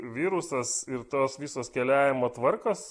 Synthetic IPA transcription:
ʋʲiːɾʊsɐsɪɾt̪oːsʋʲiːsoːskʲɛlʲæːʋʲɪmoːt̪ʋɐɾkoːs

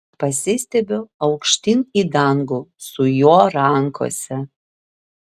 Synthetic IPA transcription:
pɐsʲɪsʲt̪ʲɛbʲoɐʊkʃʲt̪ʲɪniːd̪ɐŋɡusʊjoɔɾɐŋkʰo̰sʲɛ

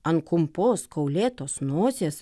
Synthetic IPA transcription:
ɐnkʊmpoːskɐʊlʲeːt̪oːsnoːzʲeːs

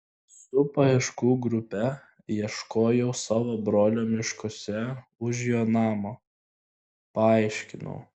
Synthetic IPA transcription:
sʊpɐɪʃkuːɡɾʊpʲɛ | jiɛʃkoːjɛʊsɑːʋobɾoːlʲoːmʲɪʃkosʲɛʊʒjoːnɑːmo | pɐɑˑɪʃʲkʲɪnɔ̰ʊ

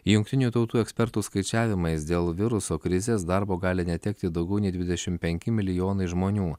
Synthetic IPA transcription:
jʊŋk̚ʲt̪ʲɪnʲuːt̪ɒʊt̪uːɛksʲpʲɛɾt̪uːskɐɪt͡ʃʲæːʋʲɪmɐɪsd̪ʲeːlˠʋʲɪɾʊsoːkɾʲɪzʲeːsd̪ɑɾboːɡɑːlʲɪnʲɛt̪ʲɛkt̪ʲɪd̪ɒʊɡʲɛʊnʲɛɪd̪ʋʲɪd̪ʲɛʃʲɪmpʲɛŋʲkʲɪmʲɪlʲɪjoːnɐɪʒmoːnʲuː

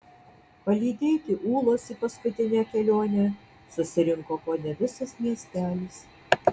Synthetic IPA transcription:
pɐlʲiːd̪ʲeːt̪ʲɪʔuːlˠoːsiːpɐskʊt̪ʲɪnʲɛkʲɛlʲoːnʲɛ | sʊsʲɪɾʲɪŋkoːkoːnʲɛʋʲɪsɐsmʲiɛsʲt̪ʲæːlʲis

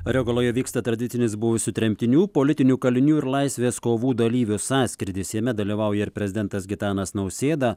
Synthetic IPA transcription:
ɾʲɛɡolˠoːjɛʋʲiːkst̪ɐt̪ɾɐd̪ʲɪt̪sʲɪnʲɪsbʊʋʲɪsʊt̪ʲɾʲɛmʲt̪ʲɪnʲuːpoːlʲɪt̪ʲɪnʲuːkɐlʲɪnʲuːɪɾlˠɐɪsʲʋʲeːskoːʋuːd̪ɐlʲiːʋʲʊsɑːsʲkʲɾʲɪd̪ʲɪsʲiɛmʲɛd̪ɐlʲiːʋɐʊjɛɪɾpʲɾʲɛzʲɪd̪ʲɛnt̪ɐsɡʲɪt̪ɑːnɐsnɐʊsʲeːd̪ɐ

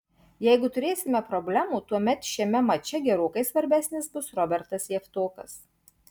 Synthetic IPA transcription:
jɛɪɡʊt̪ʊɾʲeːsʲɪmʲɛpɾɔbʲlʲæmuːt̪uɔmʲɛt̪ʃʲiɛmʲɛmɐt͡ʃʲɛɡʲɛɾoːkɐɪsʋɐɾʲbʲæːsʲnʲɪsbʊsɾɔbʲɛɾt̪ɐsjɛft̪oːkɐs

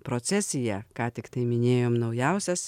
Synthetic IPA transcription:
pɾoːt̪sʲɛsʲɪjɛkɑːt̪ʲɪkt̪ɐɪmʲɪnʲeːjoːmnɒʊjæˑʊsʲɛs

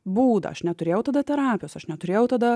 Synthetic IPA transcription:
buːd̪ɐ̰ɐʃnʲɛt̪ʊɾʲeːjɛʊt̪ɐd̪ɐt̪ʲɛɾɑːpʲɪjoːsɐʃnʲɛt̪ʊɾʲeːjɛʊt̪ɐd̪ɐ

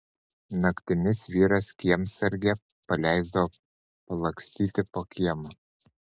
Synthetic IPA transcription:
nɐkʲt̪ʲɪnʲɪsʋʲiːɾɐskʲiɛmsʲɐɾʲɡʲɛ | pɐlʲæˑɪzd̪ɐʋoː | pɐlˠɐksʲt̪ʲiːt̪ʲɪpoːkʲʰiɛmɐ

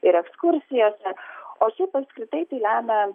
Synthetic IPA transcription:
ɪɾɛkskʊɾʲsʲɪjoːsʲɛoːʃʲɛɪpɐpskɾʲɪt̪ɐɪt̪ɐɪlʲæːmʲɛ

